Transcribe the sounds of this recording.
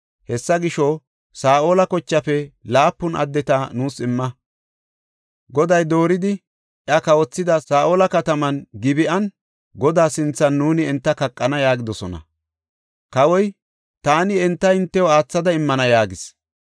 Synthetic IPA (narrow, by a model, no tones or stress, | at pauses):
hɛsːɐɡɪʃɔ | saːʔoːlɐkɔt͡ʃːɐfɛlaːpːʊnɐ̰d̪ːɛt̪ɐnuːsɪmːɐ | ɡɔd̪ɐjd̪o̞ːɾɪd̪ɪ | ʔjɐkɐwɔt͡sːɪd̪ɐsaːʔoːlɐkɐt̪ɐmɐnɡɪbɪʔɐn | ɡɔd̪aːsɪnt͡sːɐnːuːnɪɪnt̪ːɐkɐkʼːɐnɐjaːɡɪd̪ɔsɔnɐ̰ | kɐwɔj | t̪aːnɪɛnt̪ːɐɪnt̪ːɛwɔaːt͡sːɐd̪ɐɪmːɐnɐjaːɡɪs